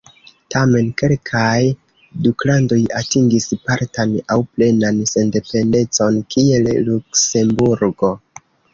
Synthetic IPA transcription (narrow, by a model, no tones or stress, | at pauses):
tame̞nke̞lkʰaj | duklando̞jatiŋɡispaɾtanawple̞nanse̞nde̞pe̞nde̞t͡so̞nkie̞llukse̞mbuɾɡo̞